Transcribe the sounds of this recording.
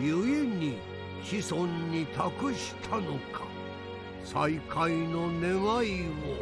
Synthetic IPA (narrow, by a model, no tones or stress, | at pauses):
jɯiɲʲi | ɕisõ̞ɲːit̪ʰakɯ̟ɕi̥t̪ʰano̞kʰḁ | saikʰaino̞ne̞ŋaio